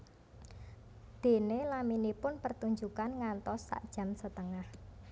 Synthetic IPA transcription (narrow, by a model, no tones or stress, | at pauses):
d̪̥e̤nelaminipʊnpərt̪uɲd͡ʒukanŋant̪ɔsːa̰ʔd̥ʒ̥ä̤msət̪əŋah